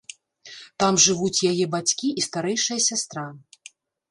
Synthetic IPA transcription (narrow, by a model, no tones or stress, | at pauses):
t̪amʐɨvut͡sʲjajɛbat͡sʲkʲiʔist̪aɾɛjʂɨjɐsʲast̪ɾa